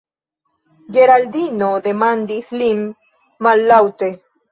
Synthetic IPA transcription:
ɡeɾald̪inod̪emand̪iθlimː | alːawt̪e

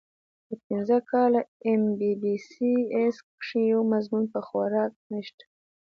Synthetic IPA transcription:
d̪əpinzəkɑlaembibisieskʂijowmazmunpəxaɾɑk̚nəʃt̪ḁ

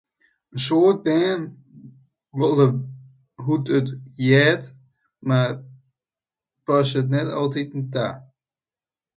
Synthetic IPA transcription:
əsoːt̚bɛːn | ʋɔlˠə | ɦutətjɛːt | ma | pɔsət̬nɛtɔlˠtitnta̰

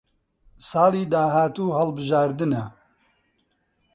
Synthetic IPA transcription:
sɑːliːd̪aːɦaːt̪uːɦɐlbɨʒaːɾd̪ɨnɛ

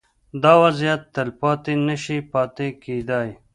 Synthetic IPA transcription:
d̪ɑːwazijat̪ːəlpɑːt̪enəʃipɑːt̪eked̪ɑj

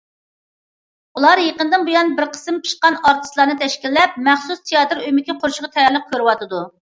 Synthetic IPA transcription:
ulˠɑɾjeqənd̪ɨnbujɑnbɪɾqʰə̥sɨmt͡ʃʰi̥ʃqɑnɑɾt̪ʰɨ̥slˠɑɾnɨt̪ʰɛʃkʲilːɛp̚mɛχsust̪ʰijɑt̪ɨɾøjmɪkʲiqʰoɾʃəʁɑt̪ʰɛjæɾlˠəq̚kʲʰøɾɨwɑt̪ʰɨd̪u

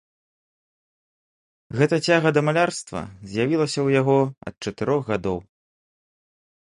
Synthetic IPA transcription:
ɣɛt̪ɐt͡sʲaɣɐd̪ɐmalʲarst̪vɐ̰zʲjavʲilˠɐsʲɐwjaɣɔɐ̰t̪̚t͡ʂɐt̪ɨɾɔɣɣad̪ɔw

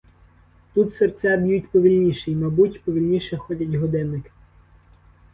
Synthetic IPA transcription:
t̪ut̪sert͡sʲːabʲjutʲpɔʋʲilʲnʲiʃɛjmɐbutʲpɔʋʲilʲnʲiʃɛxɔtʲɐtʲɦɔd̪ɛnːɪkɪ̥

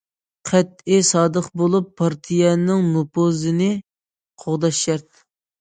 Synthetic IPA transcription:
qʰɛt̪̚ɪsɑːd̪əχbolˠupʰːɑɾt̪ʰijɛnɪŋnopozɨnɪ | qʰoʁd̪ɑʃɛɾt̪̚

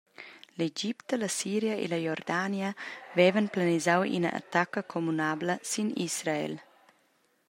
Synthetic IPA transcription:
led͡ʒipt̪əlɐsiːɾjəʔḛlɐjɔrd̪anjəvɛvənplanizawḭnɐ̰ʔa̰t̪akəkʰomunabləsinisɾaḛl

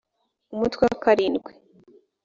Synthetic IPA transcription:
umutweakaɾiːnɡwe

